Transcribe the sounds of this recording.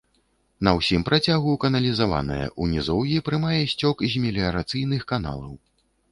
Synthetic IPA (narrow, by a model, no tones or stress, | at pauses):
nɐwsʲimpɾat͡sʲaɣukɐnɐlʲizava̰nɐ̰jɐ̰ʔunʲizɔwjipɾɨmajɛsʲt͡sʲɔkzʲmʲelʲiɐɾat̪sɨjnɨxkana̰lˠɐw